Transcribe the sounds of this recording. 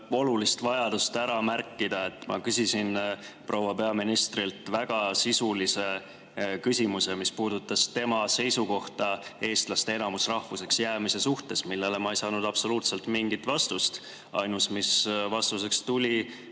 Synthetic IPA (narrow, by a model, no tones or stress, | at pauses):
o̞lulist̪vɑjɑd̪̥ust̪æɾɑmærkːid̪̥ɑe̞t̪ːˑmɑ̰kysʲisin | pro̞ːwɑpe̞ɑminist̪ɾilt̪ˑvæɡ̥ɑsisulise̞ | kysʲimuse̞mispuːd̪ut̪ːˑɑst̪e̞mɑse̞jsuko̞ht̪ɑe̞ːst̪lɑst̪e̞e̞nɑmusrɑhvuse̞ksjæːmise̞suht̪e̞smilːe̞le̞mɑejsɑːnud̪̥ɑb̥so̞luːt̪se̞lt̪ˑmiŋɡ̥it̪ːvɑst̪ust̪ | ɑ̰jnusmisvɑst̪us̬e̞kst̪ulʲi